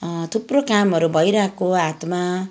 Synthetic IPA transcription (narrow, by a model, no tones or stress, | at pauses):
t̪ʰuprokamɦʌɾubʱʌjɾakoat̪ma